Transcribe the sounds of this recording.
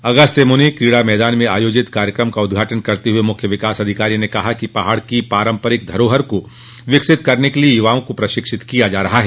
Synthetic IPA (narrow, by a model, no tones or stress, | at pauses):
ɐɡəst̪emʊnikɾiːɽamɛːd̪aːnmẽaːjoːd͡ʒɪt̪kaːɾjəkɾəmkaʊd̪ɡʱaːʈənkɐɾt̪eɦuemʊkʰjəʋɪkaːsɐd̪ʱɪkaːɾijnekɐɦakipɐɦaːɽkipaːɾə̃mpəɾɪk̚d̪ʱɐɾoːɦəɾko | ʋɪksɪt̪kɐɾnekeliejʊʋaːõkopɾɐʃɪkʃɪt̪kijad͡ʒaːɾɐɦaɦɛː